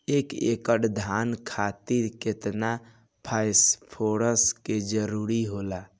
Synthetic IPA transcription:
ekḛkəʈd̪ʱankʰat̪iɾket̪na | pʰajspʰoɾəsked͡ʒəɾuɾiɦola

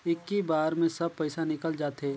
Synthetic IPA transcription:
ɪkːibaːɾmẽsɐb̚pɛɪsanɪkəld͡ʒaːt̪ɦeː

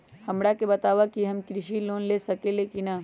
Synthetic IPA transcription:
hɐmɽakebɐt̪aːʋakiɦɐmkɾɪʃiloːnlesɐkelekina

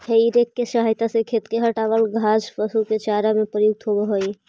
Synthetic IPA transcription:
heiɾekːesaɦajt̪asekʰet̪keɦəʈaʋəlɡʱad͡ʒpəsuket͡ʃaɾamepɾəjuɡ̚t̪ʰobəɦoj

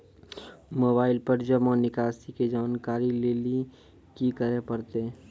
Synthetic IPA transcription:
moːbaːɪlpəɾd͡ʒəmɔːnɪkaːsiked͡ʒaːnkaːɾileːli | kikəɾepəɾt̪e

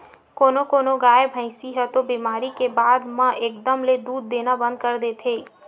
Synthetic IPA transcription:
koːnokoːnoɡaːebʱə̃ɪ̃siɦət̪obiːmaːɾikebaːd̪mãʔeːkd̪əmled̪uːd̪ːeːnabə̃nd̪̚kəɾd̪eːt̪ʰeː

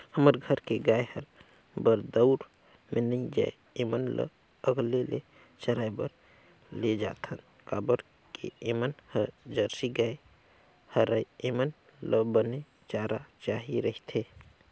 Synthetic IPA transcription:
həməɾɡʱəɾkeɡaːehəɾ | bəɾd̪əʊɾ | menə̃d͡ʒa̰e | emənlə̰ | əɡlelḛ | t͡ʃəɾaːjbəɾ | led͡ʒa̰ːt̪ʰən | kaːbəɾ | kḭemənhəɾd͡ʒəɾsiɡaːe | həɾəjemən | ləbəne | t͡ʃaɾat͡ʃaːɦiɾəɦit̪ʰe

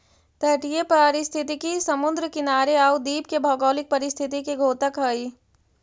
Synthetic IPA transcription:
t̪ɛʈijepɾaːɾɪst̪ʰit̪ikisɐmʊnd̪ɾəkɪnaːɾeaːud̪iːpkebʱɔːɡɔːlɪk̚pɐɾɪst̪ʰɪt̪ikeɡʱoːt̪əkɦəi

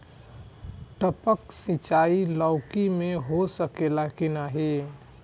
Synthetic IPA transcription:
ʈəpəksɪt͡ʃaːilɔʊkimẽɦosəkelakɪnaɦe

